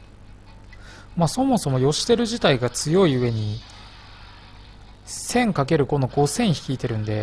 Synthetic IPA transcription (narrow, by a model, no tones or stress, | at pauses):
maːso̞mo̞so̞mo̞jo̞ɕi̥t̪e̞ɾɯ̟ʑit̪aiɡat͡sɨjo̞iɯ̟βe̞ɲ̟i | sẽ̞ŋkak̬e̞ɾɯ̟ko̞no̞ɡo̞sẽ̞ɰ̃çi̥kʲiːt̪e̞ɾɯ̟̃nd̪e̞